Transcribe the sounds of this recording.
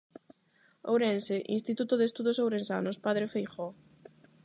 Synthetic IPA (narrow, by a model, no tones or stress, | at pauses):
owɾenseʔinst̪it̪ut̪oðest̪uðosowɾensa̰nospaðɾefejxɔ